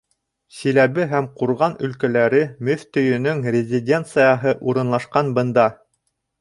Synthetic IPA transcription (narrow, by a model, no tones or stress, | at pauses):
silæβɘɦæmquɾʁɑnɵ̆lkælæɾɘmɵθt̪ɵ̆jɵ̆nɵŋrʲɪzʲɪdʲe̞nt̪sɨjɑɦɤʔuɾɤ̆nlˠɑʃqɑnbɤ̆nd̪ɑ